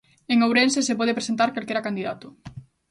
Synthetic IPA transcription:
eŋowɾensesepɔð̞epɾesent̪aɾkalkeɾakand̪iðat̪ʊ

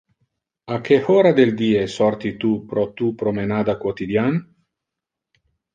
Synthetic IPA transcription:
akehoɾad̪eld̪iːesɔɾt̪it̪upɾɔt̪upɾomenaːd̪akwot̪id̪jan

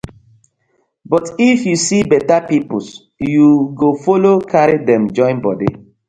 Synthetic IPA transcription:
bɔtifjusibɛtapipus | juɡofolokʰaɹidɛ̃md͡ʒɔ̃ɪ̃nbɔdḭ

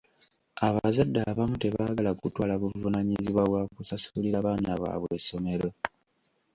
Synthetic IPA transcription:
aβazadːaβamute̞βaːɡalakutwaːlaβuvunaɲiziβwaβwakusasuliɾaβaːnaβa̰βwe̞so̞me̞ɾo̞

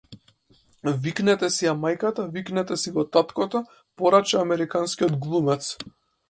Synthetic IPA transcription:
viknɛt̪ɛsiamajkat̪aviknɛt̪ɛsivɔt̪at̪kɔt̪ɔ | pɔɾat͡ʃaːmɛɾikanskiɔd̪ɡlˠumɛt̪s

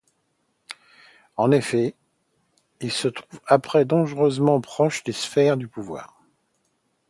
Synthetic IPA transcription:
ɑ̃nefɛ | ilsət̪χuvapχɛd̪ɔ̃ʒʁøzmɑ̃pχɔʃd̪esfɛʁd̪ypuvwa̰ːʁ

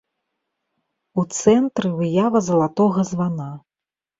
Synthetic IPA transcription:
ut̪sɛnt̪ɾɨvɨjavɐzɐlˠat̪ɔɣɐzvana

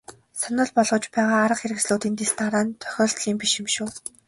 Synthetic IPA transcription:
sanə̆ɮpɔɮʁɞ̆t͡ɕpæːʁaːɾə̆qxeɾɘ̆ksɮuːt̪iːnt̪est̪aɾaːnt̪ʰœ̥xʲɔːɮt̪ɮiːmpiʃɪ̆mʃuː

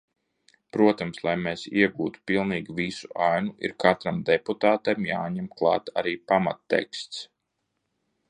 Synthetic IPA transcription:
pɾuɔt̪amslˠajmesiɛɡuːt̪u̥pilˠniːɡʲivisuʔajnuʔḭɾkat̪ɾamd̪eput̪aːt̪emjaːɲɛmklˠɑ̰ːt̪a̰ɾiːpama̰t̪ːḛkst̪s

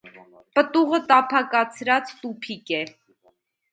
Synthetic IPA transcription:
pət̪uʁət̪ɑpʰɑkɑt͡sʰɾɑt͡st̪upʰikɛ

